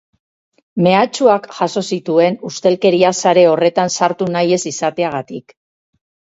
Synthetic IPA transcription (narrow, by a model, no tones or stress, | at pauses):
me̞at͡ʃuakʝaso̞sit̪ue̞nust̪e̞lke̞ɾiasaɾe̞o̞re̞t̪ansaɾt̪unaje̞sisat̪e̞aɣ̞at̪ik